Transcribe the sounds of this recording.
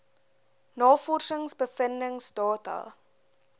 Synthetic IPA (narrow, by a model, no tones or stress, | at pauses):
nɑːfɔrsəŋsbəfəndəŋsdɑːtɑ̰l